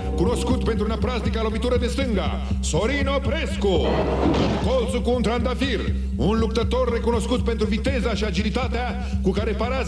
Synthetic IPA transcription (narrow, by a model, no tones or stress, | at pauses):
kuno̞skut̪pent̪ɾunapɾast̪ikalo̞vit̪uɾəd̪e̞st̪ɨŋɡa̰ | soɾinopɾeskuṵŋkolt̪sukuːnt̪ɾand̪afir | unluk̚t̪ət̪o̞rːe̞kuno̞skut̪̚pe̞nt̪ɾuvit̪e̞zaʃiad͡ʒilit̪at̪ea | kukaɾe̞paɾa